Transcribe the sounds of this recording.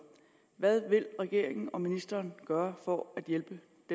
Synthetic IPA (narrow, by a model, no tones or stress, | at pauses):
ʋæð̞ˠʋe̝lʁɛɡ̥e̝ɐ̰e̝ŋn̩ɒ̽minisd̥ɐːnɡ̥ɶːɐfɒæd̥jelb̥ə | d̥e